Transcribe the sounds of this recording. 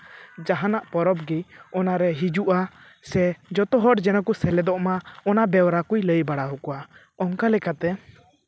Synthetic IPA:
d͡ʒaɦanaʔpɔɾɔb̚ɡiɔnaɾɛɦid͡ʒuʔa | sɛd͡ʒɔt̪ɔɦɔʈd͡ʒɛnɔkusɛlɛd̪ɔʔmaɔnabɛwɾakujləjbaɽaɦukɔa | ɔŋkalɛkat̪ɛ

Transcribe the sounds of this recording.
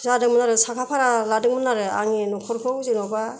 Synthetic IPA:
zadɯŋmɯnaɾɯsakʰapʰaɾaladɯŋmɯnaɾɯa̰ŋinɔkʰɔɾkʰɯwzinɔba

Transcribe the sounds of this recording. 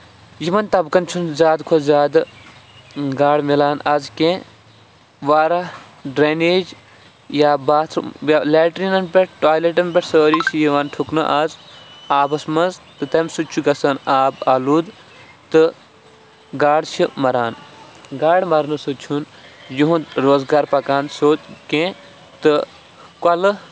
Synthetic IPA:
jiʋɐnt̪ɐbkɐnt͡ʃʰunzjaːd̪kʰozzʲaːd̪ɨ | ɡaːɽmilaːnazkẽ | ʋaːɾɐ | ɖɾeneːd͡ʒ | jaːbaːt̪ʰɐleːʈɾiːnɐnpʲeʈʈaːjleʈɐmpʲeʈsəːɾiːsijiʋɐːnʈʰuknɐ̰ʔaːzaːbɐsmɐnzt̪ɨt̪ɐmʲsut͡ʃʰuɡɐsɐnaːbaːluːd̪ | t̪ɨ | ɡaːɽt͡ʃʰimɐɾaːnɡaːɽmɐɾnɨsut͡ʃʰun | juɦũnd̪ɾoːzɡaːɾpɐkaːnsoːt̪kẽː | t̪ɨ | kɐlɨ

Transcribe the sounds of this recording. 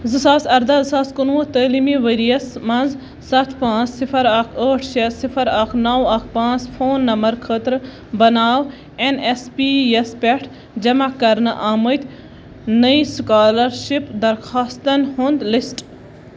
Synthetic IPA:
zɨsaːsɐɾd̪azɨsaːskunʋut̪əːlimiʋəɾijɐsmɐnz | sɐt̪ʰpãːt͡ssifʰɐɾaːkʰəːʈʰʃesifʰɐɾaːkʰnɐwɐːkʰpãːt͡sfʰoːnːɐmbɐɾkʰət̪ɾ | bɐnaːʋ | enespiːjɐspeʈʰ | d͡ʒɐmakɐɾnɨʔaːmət̪ʲ | nəiskaːlɐɾʃipd̪ɐɾxaːst̪ɐnɦund̪lisʈ

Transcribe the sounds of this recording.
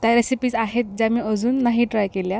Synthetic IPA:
t̪jaɾesipiːd͡zaɦet̪̚d͡ʑamiəd͡zuːnːaɦiʈɾajkelja

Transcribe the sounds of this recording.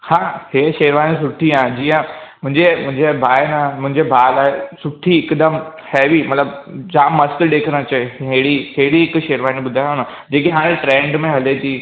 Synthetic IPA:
hãːheʃeːɾʋaːñĩs̬ʊʈʰiaẽd͡ʑiːə̃mʊ̃ɦɪ̃ɲd͡ʑemʊ̃ɦɪ̃ɲd͡ʑebʱaːjnãmʊ̃ɦɪ̃ɲd͡ʑebʱaːlaːɦesʊʈʰiɪkd̪əm | heːʋimɐt̪ləbd͡ʑaːmːɐskɗeːkʰɾə̃t͡ɕɐeɦeɽiɦeɽiɪkʃeːɾʋaːñĩɓʊd̪ʱajõna | d͡ʑeːk̬iɦaːɽ̃ẽʈɾẽːɳɖmẽɦɐlet̪ʰiː

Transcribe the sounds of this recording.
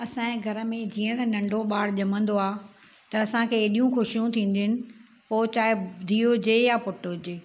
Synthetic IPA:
ɐsãːẽɡʱɐɾə̆mẽd͡ʑiːə̃t̪ɐnɐ̃ɳɖʱoɓaːɽʄɐmə̃nd̪oaː | t̪ɐɐsãkʰeːɗijũxʊʃijũt̪ʰĩːn̆d̪ɪɪnɪ̆ | poːt͡ɕaːɪd̪ʱiːod͡ʑeːjapʊʈod͡ʑeː

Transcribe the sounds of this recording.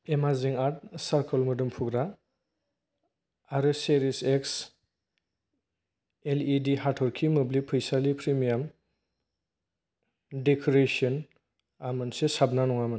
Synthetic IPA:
emaziŋaɾt̚saɾkʰɔlmɯdumpʰuɡɾa | aɾɯseɾiseks | elidiɦatʰɔɾkʰimɯblipʰɯjsalipʰɾimijam | dekʰɔɾesiɔn | amɯnsesab̚nanɔŋamɯn

